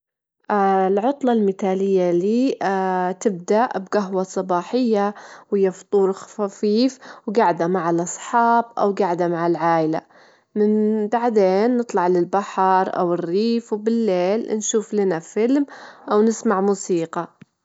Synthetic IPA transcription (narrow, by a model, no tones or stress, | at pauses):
ʔlʕʊt̪ˤlɑlmɪt̪aːlɪjːaliː | t̪ɪb̚d̪aʔbɡaɦwɑsˤɑbɑːħɪjːawɪjːaft̪ˤuːɾxafiːfwɡaʕd̪amaʕalʔɑsˤħɑːb̚ʔa̰wɡaʕd̪amaʕɪlʕaːʔɪla̰ | mɪnbaʕd̪eːnːɨt̪ˤlɑʕlɪlbaħɾˤʔa̰wɪrːiːfwbɪlːeːlnʃuːflanafɪlmʔawnɪsmaʕmuːsiːqɑ